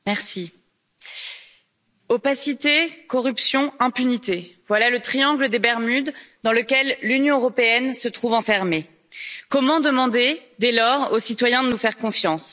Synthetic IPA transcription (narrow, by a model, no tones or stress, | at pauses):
mɛʁsi | opasit̪ekɔʁypsjɔ̃ɛ̃pynit̪evwalalət̪χijɑ̃ɡləd̪ebɛʁmyd̪d̪ɑ̃ləkʲɛlːynjɔ̃øʁɔpeɛnsət̪χuvɑ̃fɛʁme | kɔmɑ̃d̪əmɑ̃d̪ed̪ɛlɔʁosit̪wajɛ̃d̪ənufɛʁkɔ̃fjɑ̃s